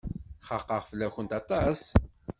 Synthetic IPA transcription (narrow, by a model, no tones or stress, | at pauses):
χɑqːɑʁfəlːæçənt̪ɑt̪ˤɑs